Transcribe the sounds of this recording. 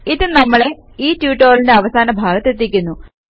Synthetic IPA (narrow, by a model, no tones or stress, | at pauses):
iðɨnɐmːɐɭe̞ | iːtjuːʈːoːlinde̞ɐʋɐsaːnɐbʱaːɡɐt̪ːet̪̬ːikʲːunːu